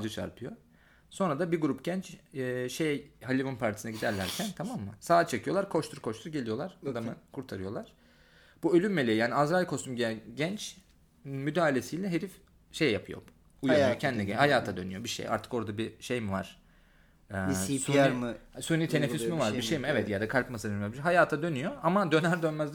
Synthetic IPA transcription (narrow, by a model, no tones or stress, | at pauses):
d͡ʒɯt͡ʃʰa̰ɾpʰɯjo̞ | so̞nɾad̪abiɾɡuɾupɟ̥ɛnt͡ʃːʃejjhalʲivunpʰaɾt̪ʰi̥sinɛɟid̪æɾlʲæɾcʰænt̪ʰamamːɯsaːt͡ʃʰe̞cʰijo̞lˠaɾkʰo̞ʃt̪ʰuɾkʰo̞ʃt̪ʰuɾɟelʲijo̞lˠaɾ̥ad̪amɯkʰuɾt̪ʰaɾɯjo̞lˠaɾ̥ | b̥uølʲymːelʲejijaːnʲiazɾalʲkʰo̞st̪umɟiɟɛnt͡ʃ | myd̪aːalʲesijlʲɛɦeɾif | ʃe̞jːapʰɯjo̰ | ujajocʰɛnd̪iɛɟɛhajaːt̪ʰad̪ø̞̰nyjo̞biʃḛjʔa̰ɾt̪ʰɯ̥ko̞ɾd̪abiʃejmiva̰ɾ̥ | ɛːsuaɾmsunit̪ʰenefismivaɾbiʃejmiɛvɛt̪jad̪akʰalʲpmasɯd̪abiɦajaːt̪ʰad̪ø̞nyjo̞amad̪ø̞næɾd̪ø̞nmæzd̪